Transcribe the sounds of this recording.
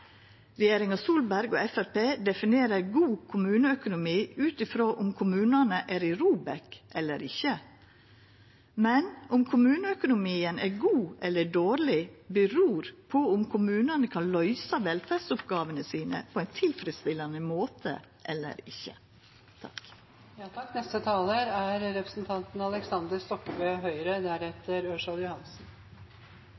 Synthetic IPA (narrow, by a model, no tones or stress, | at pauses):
ɾɛjeːɾɪŋɑsuːlbæɾɡo̰ːɛfæɾpeːd̪ɛfɪneːɾəɾɡuːkʰʊmʉːnəœkʊnʊmiːʉːt̪ɪfɾoːʔʊmkʰʊmʉːnɑnəʔæːɾɪɾuːbɛkʔɛlːə̰ɾɪçə | mɛnʊmkʰʊmʉːnəœkʊnʊmiːənʔæːɾɡuːʔɛlːəɖoːɾlɪbəɾuːɾpʰɔʊmkʰʊmʉːnɑnəkʰɑnlœʏsɑʋɛlfæsʊpɡɑːʋənəsiːnə̰pʰɔɛɪnt̪ʰɪlfɾɪst̪ɪlːɑnəmoːt̪ʰə̰ | ʔɛlːə̰ɾɪçːə̰ | t̪ʰɑ̰k | nɛst̪ət̪ʰɑːləɾæɾɾɛpɾəsnt̪ʰɑnt̪n̩ɑləksɑnd̪əɾst̪ɔkːəbœːɦœʏɾəd̪æɾɛt̪əɾøʂɑljʊhɑnsn̩